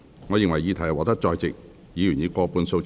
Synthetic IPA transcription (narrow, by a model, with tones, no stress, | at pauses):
ŋɔː˨˧jɪ˨ŋwɐ˨˩jiː˨˧t̪ʰɐ˨˩jwɔː˨˩t̪ɐ˥k̚t͡ʃɔː˧jt͡sɪ˨k̚ | jiː˨˧jy˨˩niː˨˧kɔː˧puː˨˧nso˧w